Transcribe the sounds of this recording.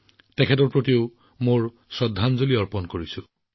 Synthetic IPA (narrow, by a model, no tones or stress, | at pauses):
tɛkʰɛt̬ɔɹpɹotiʊ | moɹ | sɔdʱːanzoliɔɹpɔnkoɹisu